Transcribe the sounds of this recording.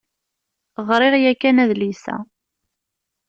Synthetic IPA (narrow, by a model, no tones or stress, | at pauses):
ʁɾˤɪʁjækːænæðlisæ̰